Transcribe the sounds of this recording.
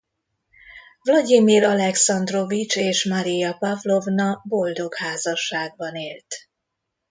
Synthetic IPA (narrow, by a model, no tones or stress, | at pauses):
vlɒɟimilɒlɛksɒnd̪ro̞vit͡ʃeːʃmɒɾijɒpɒvlo̞vnɒbo̞ld̪o̞khaːzɒʃːaːɡ̚bɒneːlt̪